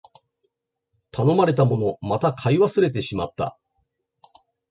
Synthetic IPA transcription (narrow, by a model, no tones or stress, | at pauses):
t̪ano̞maɾe̞t̪amo̞no̞mat̪akʰaiβasɨɾe̞t̪̬e̞ɕima̰t̪ːa̰